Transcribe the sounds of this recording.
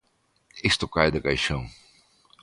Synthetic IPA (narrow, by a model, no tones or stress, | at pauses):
ist̪ʊkajd̪ɪkajʃɐ̃w̃